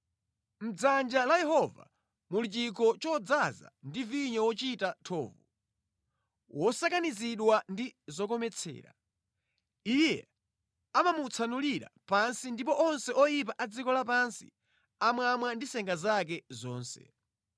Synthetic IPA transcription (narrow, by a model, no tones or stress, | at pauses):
m̩d͡zand͡ʒalajɛɦɔva̰ | mulit͡ʃikɔt͡ʃɔd͡zaza̰ndiviɲɔwɔt͡ʃitatʰɔːvu | wʔɔsakaniziɗwandizɔk̬ɔmɛt͡sʰɛ̰ːɾa̰ | ijɛ̰ | amamut͡sʰanuliɾa̰pansindipɔʔɔnsɛɔjip̬aʔad͡zikɔlapansḭ | amwamwandisɛŋɡazak̬ɛzɔːnsɛ̰